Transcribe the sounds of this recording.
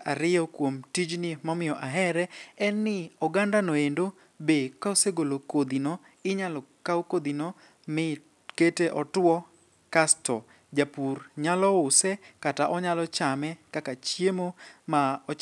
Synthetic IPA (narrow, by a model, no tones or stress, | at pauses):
aɾɪjɔkwomtid͡ʒnimɔmɪjɔʔaɦɛɾɛɛnːɪɔɡandanoendo | bekaoseɡolokod̪inɔ | ɪɲalɔkaokod̪inɔ | mɪ | keteʔɔtwɔ | kastɔ | d͡ʒapurɲalɔʊsɛkataʔɔɲalɔt͡ʃamɛkakat͡ʃjemomaɔ